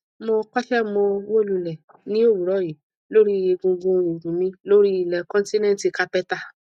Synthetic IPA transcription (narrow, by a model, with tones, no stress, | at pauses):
mɔ̃˧k͡pa˦ʃɛ˦˨mɔ̃˧wo˦˨lu˧˨lɛ˨ | nĩ˦o˦˨wu˨ɾɔ˨˦˨ji˨˦ | lo˦ɾi˦e˧ɡõ˧ɡõ˧˦˧u˨ɡũ˨mĩ˧˦lo˦ɾi˦i˨lɛ˨kɔ̃˦n˦ti˦nɛ̃˦n˦ti˧ka˧pɛ˦ta˦˧